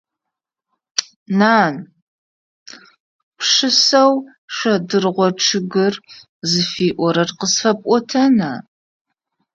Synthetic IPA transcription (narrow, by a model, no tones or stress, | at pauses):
naːn | pʂɨsɐw | ʂʷɐdɨrʁʷɔʈ͡ʂʰɨɡɨr | zɨfiːʔʷɔɾɐrqəsfɐpʼʷɔtʰɐnaː